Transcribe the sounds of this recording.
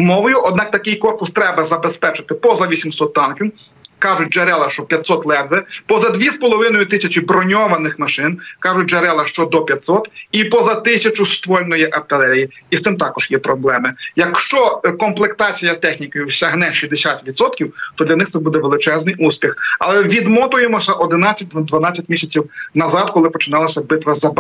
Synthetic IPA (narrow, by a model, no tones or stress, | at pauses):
mɔʋɔjʊʔɔd̪̚nɑk̚t̪ɐkɪjkɔrpʊst̪ɾɛbɐzɐbespɛt͡ʃɪt̪ɪpɔzɐʋʲisʲimsɔt̪ːɑnkʲiwkɑʒʊt̚ʲd͡ʒeɾɛlˠɐʃt͡ʃɔpʲjɐt̪ʲsɔt̪lˠɛd̪ʋɛpɔzɐd̪ʋʲispɔlˠɔʋɪnɔjʊt̪ɪsʲɐt͡ʃʲɪbɾɔnʲɔʋɐnɪxmɐʃɪnkɑʒʊt̚ʲd͡ʒeɾɛlˠɐʃt͡ʃɔd̪ɔpʲjɐt̪ʲsɔt̪ipɔzɐt̪ɪsʲɐt͡ʃʊst̪ʋɔlʲnɔjiʔɐpt̪ɪlˠɛɾʲiji | ist̪ɪmt̪ɑkɔʒ̥jɛpɾɔblˠɛmɪjɐkʃt͡ʃɔkɔmplˠekt̪ɑt͡sʲijɐt̪ɛxnʲikɔjʊwsʲɐɦnɛʃizʲd̪esʲat̪ʋʲit̪sɔt̪kʲiwt̪ɔd̪lʲɐnɪxt̪sɛbud̪ɛʋelˠɪt͡ʃɛznɪjʔusʲpʲixɐ̰lˠɛʋʲid̪mɔt̪ʊjemɔsʲɐʔɔd̪ɪnat͡sʲːɐt̚ʲd̪ʋd̪ʋɐnɑt͡sʲːɐtʲmʲisʲɐt͡sʲiwnɐzɑd̪kɔlˠɪpɔt͡ʃɪnɑlˠɐsʲɐbɪt̪ʋɐzɐb